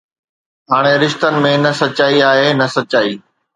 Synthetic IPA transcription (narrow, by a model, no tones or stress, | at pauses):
ɦaːɽ̃eɾɪʃt̪ənɪ̆mẽnɐsɐt͡ɕaːiaːɦenɐsɐt͡ɕaːiː